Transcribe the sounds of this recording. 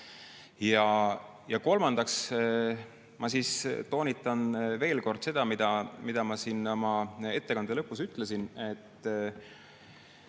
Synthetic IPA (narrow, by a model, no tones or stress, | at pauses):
jɑ | jɑko̞lmɑnd̪̥ɑks | mɑsiːst̪o̞ːnʲit̪ːˑɑnve̞ːlko̞rd̪̥se̞d̪̥ɑmid̪̥ɑmid̪̥ɑmɑsiːnmɑe̞t̪ːe̞kɑnd̪elɤpːˑusyt̪lesine̞t̪ː